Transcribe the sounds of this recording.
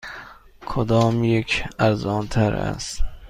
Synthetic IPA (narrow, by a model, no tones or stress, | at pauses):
kʰod̪ɒːmjekʰæɾzɒːnt̪ʰæɾæ̰st̪